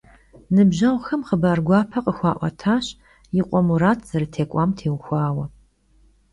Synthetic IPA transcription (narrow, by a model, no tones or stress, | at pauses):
nɨbʑɐʁʷxɐmχəbaːrɡʷɑːpʰɐqʼəxʷɑːʔʷɐ̰tʰaːɕ | jɪqʷʼɔmuɾaːtʰz̥ɐɾɨtʰeːkʷʼɑːmtʰeːwxʷɑːwɐ